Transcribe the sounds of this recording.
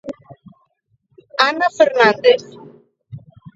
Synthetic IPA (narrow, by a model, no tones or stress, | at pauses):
anafəɾnand̪ef